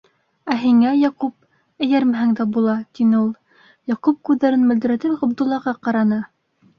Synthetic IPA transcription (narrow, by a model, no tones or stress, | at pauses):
æɦiŋæjɑqup̚ | ɘ̆jæɾmæɦæŋd̪æbulˠɑt̪inɘulˠ | jɑqup̚kʉðːæɾɘnmɵ̆ld̪ɘ̆ɾæt̪ɘlɑbd̪ulˠːɑʁɑqɑɾɑnɤ